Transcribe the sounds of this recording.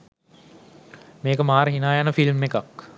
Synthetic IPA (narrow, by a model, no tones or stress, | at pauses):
meːkəmaːɾəɦinaːjanəfilmːekak